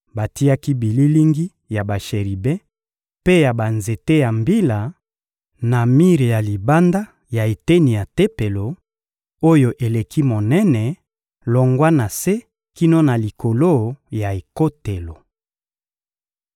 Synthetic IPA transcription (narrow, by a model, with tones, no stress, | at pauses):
ba˨ti˦ja˦ki˦bi˨li˦li˦ŋɡi˦ | ja˨ba˨ʃe˨ʁi˨bɛ˦ | pe˦ja˨ba˨nze˨te˦ja˨mbi˦la˨ | na˨mi˦ʁi˨ja˨li˨ba˦nda˦ | ja˨e˨te˦ni˨ja˨te˦pe˨lo˨ | o˦jo˨ʔe˨le˨kʰi˦mo˨nɛ˦nɛ˨ | lɔ˨ŋɡwa˦na˨se˦ | ki˦no˦na˨li˨ko˨lo˦ja˨e˨ko˦te˨lo˨